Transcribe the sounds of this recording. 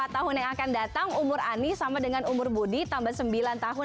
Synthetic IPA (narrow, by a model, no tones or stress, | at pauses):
at̪ːaɦʊnjaŋakandat̪aŋumʊɾanisamadəŋanumʊrbudit̪ambasəmbilant̪aɦʊ